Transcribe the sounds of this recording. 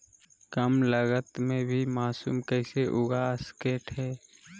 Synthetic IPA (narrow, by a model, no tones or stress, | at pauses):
kəmləɡət̪mẽbʱimaːsuːmkɛːɪseʔʊɡaːskeːʈɦɛː